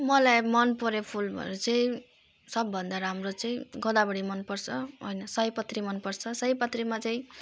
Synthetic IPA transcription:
mʌlajmʌnpʌɾepʰulbʱʌ̰ɾot͡sʌĩ | sʌbːʱʌnd̪aɾamrot͡sʌĩɡʌd̪abʌɽimʌnpʌrt͡sʰʌɦojnʌsʌjpʌt̪rimʌnpʌrt͡sʰʌsʌjpʌt̪rimat͡sʌĩ

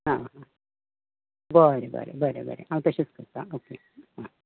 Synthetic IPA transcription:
ɦãɦã | bəɾebə̰ɾḛbəɾḛbə̰ɾḛʔãʋit̪əɕit͡skəɾt̪aoke | ɦa

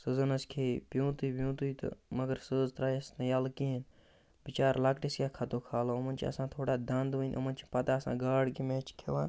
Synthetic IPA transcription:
sɨzɐnɐskʰeːpjũːt̪uibjũːt̪uit̪ɨ̰mɐɡəɾsəːzt̪ɾaːjsnɐjaːlkiɦin | bit͡ʃaːɾlaːkʈiskʲjaːkʰɐt̪oːkʰaːloɐmɐnt͡ʃʰiɐ̰sãːt̪ʰoːɽaːd̪ɐnd̪ʋuinʲʔɐ̰mɐnt͡ʃʰi̥pɐt̪aːɐsã̰ːɡaːɽkimeːt͡ʃʰkʰeʋaːn

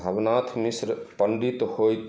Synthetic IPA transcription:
əʋnaːt̪ʰmisɾpəɳɖit̪hoːjt̪

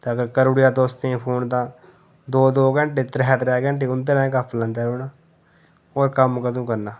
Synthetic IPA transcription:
t̪eəɡəɾkəɾoːɽɪjaːd̪oːst̪eẽːpʰoːnt̪ãː | d̪oːd̪oːɡəɳʈeːt̪ɾɦɛːt̪ɾɛːɡəɳʈ̬eːʊnd̪eːnãːẽkapʰːlãnd̪eːɾuːnaː | ɔːɾkəmkət̪ũːkəɾnaː

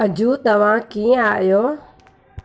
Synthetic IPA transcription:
ɐd͡ʑũːt̪ɐʋ̤ãːkĩːaːɪjoː

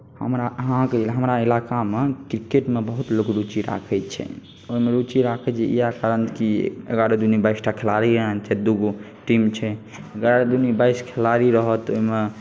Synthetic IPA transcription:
hə̰mɾaɦãkeɦəmɾailakamekɾikeʈmebəɦut̪lokɾut͡ʃiɾa̰kʰɛt͡ʃʰɛ̰ | oimeɾut͡ʃiɾakʰɛt͡ʃʰɛ̰ḭjakaɾənkiḛɡaɾed̪unibaisʈakʰelaɾiɾəɦənt͡ʃʰɛd̪uɡo | ʈimt͡ʃʰɛ | eɡaɾed̪unibaiskʰelaɾiɾəɦət̪oime

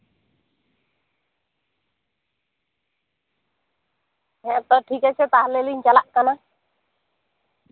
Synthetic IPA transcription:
ɦɛ̃ʔt̪ɔʈʰikat͡ʃʰɛt̪aɦleliɲt͡ʃalaʔkana

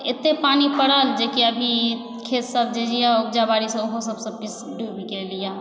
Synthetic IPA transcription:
et̪ːepanipəɽəld͡ʒekiəbʱi | kʰet̪səb̚d͡ʒed͡ʒijauɡd͡ʒabaɾisəoɦosəbsəb̚pis | ɖʱubikelija

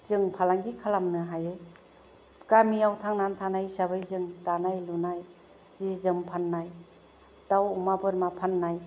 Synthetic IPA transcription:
z̥ɯŋpʰalaŋɡikʰalamnɯɦajɯj | kamiawtʰaŋnantʰanajsabajzɯŋtanajlunaj | z̥izɯmpʰanːaj | dawumabɯɾmapʰanːaj

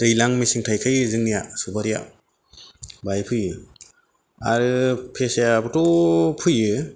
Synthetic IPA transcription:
d̥ɯjlaŋmisiŋtʰajkʰɯjzɯŋnijasubaɾija̰ | bajpʰɯjɯ | a̰ɾɯpʰesajabɯtɔpʰɯjɯ

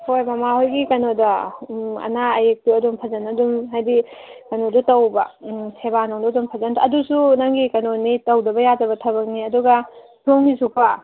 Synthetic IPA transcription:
hojmɐmahojɡikɐnodɐ | ɐ̰naɐjek̚tuɐdumpʰɐzɐnɐdumɦajdikɐnodutɐwbɐ̰sʰebanoŋdudumpʰɐzɐntʰaɐdusunaŋɡikɐnonitɐwdɐbɐjad͡ʒɐbɐtʰɐbɐk̚niɐduɡɐ | tʰownisukʰa

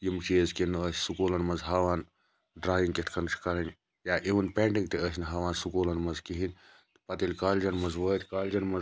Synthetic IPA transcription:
jimt͡ʃeːzkinəːssukuːlɐnmɐnzɦɐːʋaːn | ɖɾaːjiŋɡkit̪ʰkʰɐnt͡ʃʰkɐɾɐnʲ | jaːʔiʋɐnpeːɳʈiŋɡt̪iəːsʲniɦɐʋaːnsukoːlɐnmɐzkiɦinʲ | t̪pɐt̪ilʲkaːlʲd͡ʒɐnmɐzʋəːt̪ʲkaːlʲd͡ʒɐnmɐ

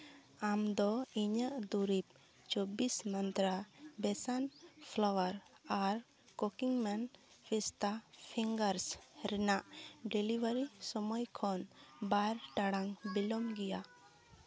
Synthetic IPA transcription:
amd̪ɔiɲəʔd̪uɾip̚ | t͡ʃobismant̪ɾabɛsanpʰlɔwəɾaɾ | kokiŋmanpʰist̪apʰiŋɡəɾsɾɛnaʔɖɛlibaɾisɔmɔjkʰɔnbaɾʈaɽaŋbilɔmɡija

